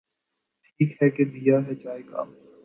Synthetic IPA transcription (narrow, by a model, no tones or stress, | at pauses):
ʈʈʰiːkɦɛkebijaːɦɛd͡ʒaːeɡa̰ː